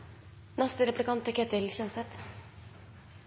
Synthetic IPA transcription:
nɑst̪əɾɛplɪkɑnt̪ɛkʰɛt̪ɛlçœnsɛt̪

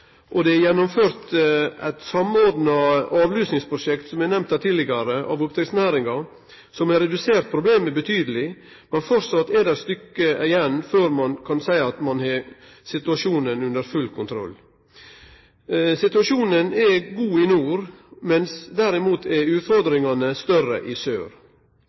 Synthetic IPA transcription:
ʔɔd̪ɛæjɛnːʊmføːɾt̪æ̰ɪt̪sɑmoːɾd̪nɑɑːʋlyːsnɪŋspʰɾʊʂɛkt̪sɔmɛnɛmt̪æt̪ʰɪːlɪɡɑɾəʔɑ̰ʋʊp̚t̪ɾɪksnæːɾɪŋɑ | sɔmɛɾɛd̪ʉseːɾt̪̚pʰɾʊbleːmɛbət̪ʰyːd̪əlɪ | mɛnfɔɾsɑt̪ːɛd̪æɾst̪ʏkːəɪjɛnːføːɾmɑnkʰɑnsæɪɑt̪mɑnhɑː | sɪt̪ʉɑʂuːnənʉnd̪əɾfʉlːkʰʊnt̪ʰɾɔ̰lː | sɪt̪ʉɑʂuːnənɛɡuːɪnuːɾmɛnsd̪æɾɪmuːt̪ʰɛɾʉːt̪fɔɾd̪ɾɪŋɑnəst̪œrə̰ʔɪsøːɾ

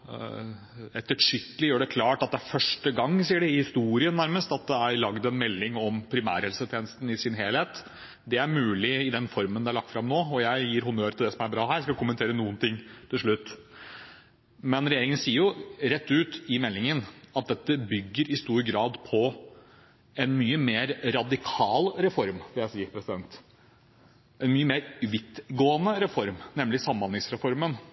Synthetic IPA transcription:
ɛt̪ːəʈʂʏkːəlɪjøːɖɛkʰlɑːʈɑt̪̚d̪ɛæɾfœʂʈəɡɑŋːsiːəɖɛɪhɪst̪uːɾɪənːæɾməst̪ɑt̪̚d̪ɛæɾlɑɡd̪ɛnmɛlːɪŋɔmpʰɾɪmæ̰ːɾhɛlsət̪ʰeːnəst̪n̩ɪsɪnɦeːlheːt̪ | d̪ɛæɾmʉːlɪɪd̪ɛnfɔɾmənd̪ɛæɭɑk̚t̪fɾɑmnoːɔjæɪjiːɾhʊnøːɾt̪ʰɪld̪ɛsɔmæɾbɾɑːɦæːɾjæɪskɑkʊmənʰeːɾənuːənt̪ʰɪŋːt̪ʰɪlʂɭʉt̪ː | mɛnɾɛjeːɾɪŋənsiːəɾjʊɾɛt̪ːʉːt̪ɪmɛlːɪŋənɑt̪̚d̪ɛt̪ːəbʏɡːəɾɪst̪uːɾɡɾɑːd̪pʰɔ | ɛnmyːəmeːɾɾɑd̪ɪkʰɑːlɾɛfɔɾmfɪljæɪsiːəɾpʰɾɛsɪd̪ɛnt̪ | ʔɛnmyːəmeːɾʋɪt̪ːɡoːənəɾɛfɔɾmnɛmlɪsɑmːɑnlɪŋsɾɛfɔɾmən

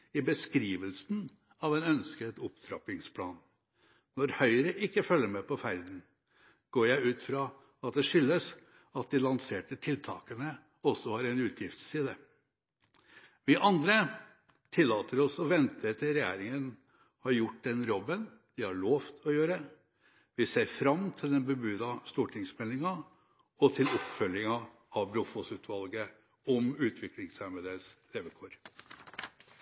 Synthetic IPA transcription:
ɪbəskɾiːʋəlsn̩ | ɑʋɛnœnskət̪ʊpt̪ʰɾɑ̰pɪŋspʰlɑ̰ːn | nɔɾhœʏɾəʔɪkːəfœlːəɾmɛpʰɔfæɾd̪n̩ | ɡ̥oːjæɪʉːt̪fɾɑ | ɑt̪̚d̪ɛʂʏlːəs | ɑt̪̚d̪ɪlɑnseːʈəʈʰɪlt̪ʰɑ̰ːkənə | ɔsːɔhɑɾɛnʉːt̪ʰjɪft̪sːiːd̪ə | ʋɪʔɑnd̪ɾə | t̪ʰɪlːɑːt̪əɾɔsɔʋɛnt̪ʰət̪ʰɪlɾɛjæ̰ːɾɪŋən | hɑɾjʊʈːd̪ɛnɾɔbːən | d̪̥ɪhɑɭoːʋt̪ʰɔjøːɾə | ʋɪseːɾfɾɑmt̪ʰɪld̪ɛnbəbʉːd̪ɑst̪uːʈʰɪŋsmɛlːɪŋɑ | ɔt̪ʰɪlɔpfœljɪŋɑ | ɑʋbɾʊfɔsʉːt̪ʰʋɑlɡə | ɔmʉːt̪ʰʋɪklɪŋsæmɛd̪eːsleːʋəkʰoːɾ

